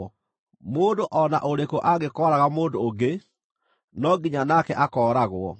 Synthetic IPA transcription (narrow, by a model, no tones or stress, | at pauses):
moːndoʔɔna̰ʔoɾekoʔaɣekɔɾaɣamoːndoːɡe | nɔɡiɲanakɛʔakɔːɾaɣwɔ̰